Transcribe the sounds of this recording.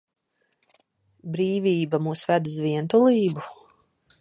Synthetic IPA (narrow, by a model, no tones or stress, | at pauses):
bɾiːvʲiːbamuːsvæd̪uzviɛnt̪ulˠiːbu